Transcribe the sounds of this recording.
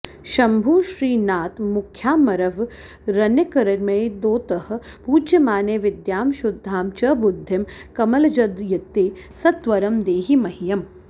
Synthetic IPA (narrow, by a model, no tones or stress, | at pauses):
ʃɐmbʱuːʃɾiːnaːt̪mʊkʰjaːmɐɾɐʋ | ɾɐnɐkɐɾɐɾmejd̪oːt̪ɐɦɐ̆ | puːd͡ʒjɐmaːneːʋɪd̪jaːmʃʊd̪ʱːaːmt͡ʃɐbud̪ʱːɐmkɐmɐlɐd͡ʒɐd̪jɐt̪eːsɐt̪ʋɐɾɐmd̪eːɦimɐɦijɐm